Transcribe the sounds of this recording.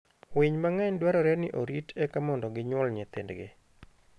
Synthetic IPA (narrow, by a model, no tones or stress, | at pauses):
wɪɲmaŋɛɲdwaɾɔɾɛnɪʔoɾitʰɛkamɔndɔɡɪɲwɔlɲɛt̪ɪ̰ndɡɪ̰